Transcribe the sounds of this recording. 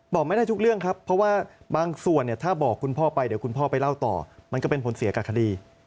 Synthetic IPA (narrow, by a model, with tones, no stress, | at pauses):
bɔː˨˩k̚ma˥˩jdaː˥˩jt̪u˦˥k̚ɾɯ˥˩əŋkʰa˦˥pʰːɔ˦˥waː˥˩baː˧ŋsu˨˩ənːi˥˩ɐt̪ʰaː˥˩bɔː˨˩kʰːu˧npʰɔː˥˩pa˧jdi˩˦ku˧npʰɔː˥˩pa˧jla˥˩wt̪ɔ̰ː˨˩ma˧nkɔː˥˩pe˧npʰo˩˦nsi˨˩˦ka˨˩kʰa˧diː˧